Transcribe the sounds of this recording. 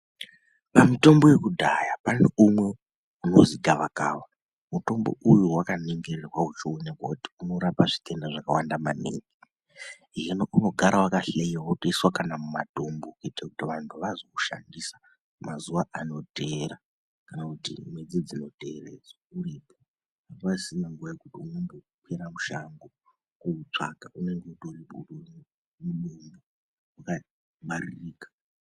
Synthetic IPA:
pamito̞mbo̞je̞kudʱajapaneumwe̞ | uno̞ziɡʱaʋakaːwa | muto̞mbo̞̰ʔujuwakaneŋɡererwaut͡ʃione̞kwakuti̥uno̞ɾapaʐite̞ndaʐaka̰wandama̰nḛːŋɡi | iɦenoʔuno̞ɡʱaɾawakaɬeiwautoiswakanamuma̰tombukuitakutiʋantʰuʋazokuʃa̰ndisḁ | mazuʋaʔano̞dʱeɾa | kanakutḭmwe̞d͡zid͡zino̞dʱe̞rḛd͡zwaurepo | atasinaŋɡuʋaekutiune̞ŋɡeukʰeɾamuʃaŋɡo | kuut͡ʂa̰kaune̞ŋɡeutoriɓṵror | muɗombo | waka | ɓaririːkḁ

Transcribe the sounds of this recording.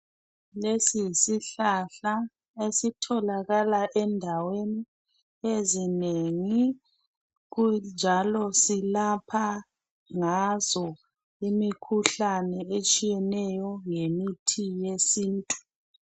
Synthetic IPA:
lesisiɬaɬa | esitʰɔlaɣalaʔɛndʱaweni | ezineŋi | ɣund͡ʒʱalɔsilapʰa | ŋazɔ | imikʰuɬanɛet͡ʃʼijɛnɛjɔŋemitʰijesiːntʼu̥

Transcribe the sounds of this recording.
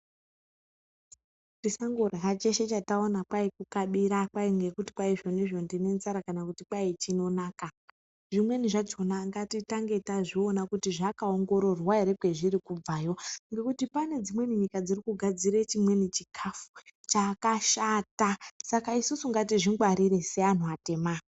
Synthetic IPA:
disaŋɡorɦat͡ʃe̞ʃe̞t͡ʃatao̞napwaikukaɓiɾakwaiŋɡe̞kuti̥paiʐo̞niʐo̞ndine̞nt͡saɾakanakutipait͡ʃino̞naːka | ʐimwe̞niʐad͡ʒo̞naŋɡatitaŋɡe̞taʐionakutiʐakaoŋɡo̞ɾo̞rwaeɾekweʐirikub͡vajo̞ŋɡe̞kutipane̞d͡zimwe̞niɲikad͡zirikuɡʱad͡ziɾet͡ʃimwe̞nit͡ʃikʰafut͡ʃaːkaʃatasakaisusuŋɡatiʐiŋɡwaɾiɾe̞sean̤uate̞ːma

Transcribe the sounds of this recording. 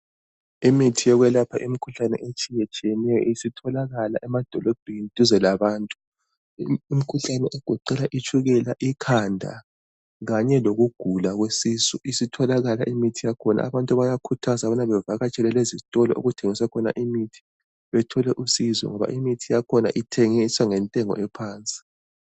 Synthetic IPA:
imitʰijɔɣwɛlapʰaʔimikʰuɬanɛ̰ʔet͡ʃʰʼijɛt͡ʃʼiɛnɛjɔ̰isitʰɔlaɣala̰ʔɛmad̥ʱɔlɔb̥ʱenid̥ʼʱuzɛlaβaːntʼu̥ | im̩kʰuɬanɛʔeɡ̥ʱuǃɛlaʔit͡ʃʰuɣɛlaʔikʰandʱa̰ | ɣaɲɛloɣuɡ̥ʱulaɣwesiːzɔisitʰɔlaɣala̰ʔimitʰijakʰɔna̰a̰βantʼuβajakʰutʰazaβɔnaβɛvaɣat͡ʃʼɛlɛlezitʼɔlɔ̰ʔo̰ɣutʰeŋiswakʰɔna̰ʔimitʰi̥ | βɛtʰɔlɛʔusizɔ̰ŋɔβa̰ʔimitʰijakʰɔna̰ʔitʰeŋisaŋɛntʼɛŋɔ̰ʔɛpʰaːnt͡sʼi̥

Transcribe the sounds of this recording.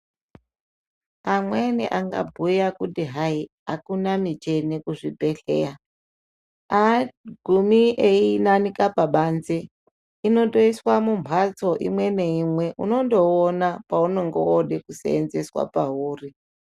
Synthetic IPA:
amwenḭʔaŋɡa̰bʱujakutiɦai | a̰kunamit͡ʃenekuʐibʱeɬḛa | aɡʱumieinanikapaɓanze | ino̞toiswamumpʰat͡soʔḭmweneimweʔṵno̞ndoːnapaunoŋɡo̰oɗekusḛːnzeswa̰paɦuːri

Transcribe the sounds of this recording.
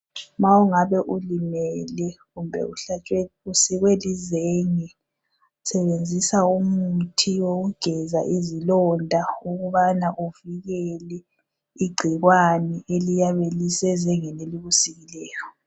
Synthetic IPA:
mauŋaβɛʔulimɛlɛɣumbʱɛ̰uɬat͡ʃʼwɛusiɣwelizeŋɛ | sɛβend͡zʱisaumutʰiwoɣuɡ̥ʱɛza̰ʔizilɔndʱauɣuβanaʔuviɣɛlɛ | iɡ͡ǀʱiɣwanɛʔelijaβelisɛzɛŋɛneliβusiɣilɛːjɔ

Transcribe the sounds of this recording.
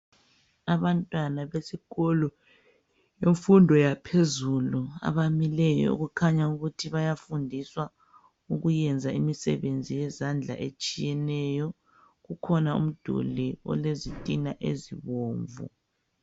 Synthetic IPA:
aβantʼwanaβesiɣɔlɔ | jeɱfundʱɔjapʰezulua̰βamilɛjɔ̰ṵɣukʰaɲauɣutʰiβajafundʱiswa | uɣujɛnd͡zʱaimisɛ̰βend͡zʱijɛzand͡ɮʱa̰ʔet͡ʃʼijɛnɛjɔ | ɣukʰɔnaṵm̩d̥ʱṵliɔ̰lezitʼinaʔḛziβoːɱvṵ

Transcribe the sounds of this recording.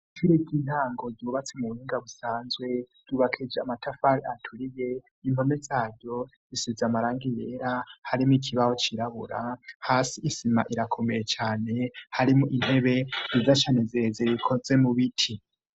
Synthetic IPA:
tiɾekin̥haːŋɡo̞zuːβat͡semuβuhiːŋɡaβusaːnzɡwe̞z̥uːβakʰid͡ʒeamatafaɾiatʰuɾije̞ | im̥ho̞mezaːɾjo̞ | d͡zisizamaɾaːŋɡije̞ːɾahaɾimuikʰiβaho̞t͡ʃiɾaβṵɾa̰haːsiʔisima̰ʔiɾakʰo̞me̞jet͡ʃaːne̞haɾimuʔin̥he̞βe̞zizat͡ʃaːnezezeikʰo̞ze̞muβitʰi

